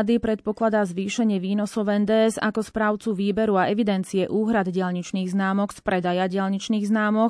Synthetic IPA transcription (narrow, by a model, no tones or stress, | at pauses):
d̪ipɾɛt̪̚pɔklad̪azʋiːʃɛɲɪɛʋiːnɔsɔʊɛnd̪ɛːɛza̰kɔspɾaʊt͡suʋiːbɛɾuaɛʋid̪ɛnt͡sijɛʔuːɦɾad̪ɟɪalɲit͡ʃniːɣznaːmɔkspɾɛd̪ajaɟɪalɲit͡ʃniːɣznaːmɔk